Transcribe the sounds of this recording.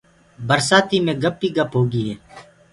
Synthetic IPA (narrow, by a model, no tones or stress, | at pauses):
bəɾsaːt̪iːmẽːɡəpːiːɡəpɦoːɡiːɦɛː